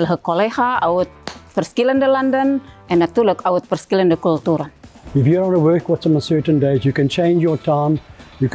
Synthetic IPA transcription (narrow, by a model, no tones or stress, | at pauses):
ləɦəkːolehaaʊt̪̚pərskiləndəlandənɛnat̪uləkaʊt̪̚pərskiləndəkult̪uɾan | ɪfjuɹɔ̃nəwɜːˑkwɔtsɔ̃məsɜtə̃ndeɪzjukɛ̃nt͡ʃʰẽɪ̃nd͡ʒjɔtʰãɪ̃mjuk